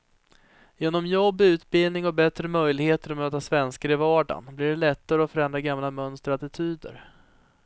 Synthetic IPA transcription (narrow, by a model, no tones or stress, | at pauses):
jeːnɔmjɔbːʉ̟ːt̪bɪlnɪŋɔbɛt̪ɾəmœjlɪɡheːt̪əɾɔmøːt̪asvɛnskaɾɪvɑːɖa̰nblɪɖɛlɛt̪ːaɾəɔfœɾɛnd̪ɾaɡamlamœnst̪əɾat̪ɪt̪ʰyːd̪ə̰ɾ